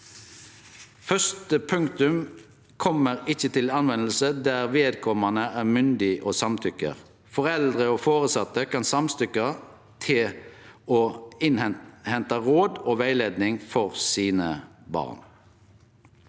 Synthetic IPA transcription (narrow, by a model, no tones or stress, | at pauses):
fœst̪əpʰʉŋkt̪ʉm | kʰɔməʁɪçət̪ʰɪlɑnʋɛnəlsəd̪æʁʋeːd̪̚kʰɔmɑnəæːʁmʏnd̪ɪʔoːsɑmt̪ʰʏkə̰ʁ | fɔʁɛld̪ʁəoːfoːʁəsɑt̪ːəkʰɑnsɑmst̪ʏkɑ | t̪ʰɪ | oːɪnɛhɛnt̪ɑʁoːd̪oːʋæɪleːd̪nɪŋfɔʁsiːnəbɑ̰ːʁn